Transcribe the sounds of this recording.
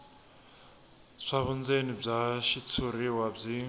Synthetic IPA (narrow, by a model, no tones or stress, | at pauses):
ʂaβund͡zenib͡ʐaʃit͡sʰuɾiwab͡ʐi